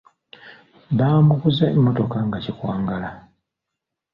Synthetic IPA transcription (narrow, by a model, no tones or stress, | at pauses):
βaːmukuzemːo̞to̞kaŋɡacikwaːŋɡala